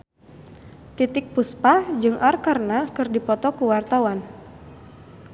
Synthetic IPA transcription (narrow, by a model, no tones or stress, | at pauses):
t̪it̪ɪk̚puspad͡ʒɨŋʔarkarnakɨrdipɔt̪ɔkuwart̪awan